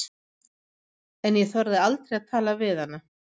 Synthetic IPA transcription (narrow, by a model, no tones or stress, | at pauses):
ɛnjɛθɔɾðɪalt̪ɾejaðt̪ʰaːlavɪðanːa